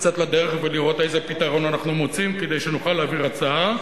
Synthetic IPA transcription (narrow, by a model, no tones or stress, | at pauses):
kt͡sat̪lad̪e̞ʁeχveliʁo̞t̪ejzepit̪aʁo̞nanaχnumot͡simked̪ejʃenuχalːeaːviʁat͡saa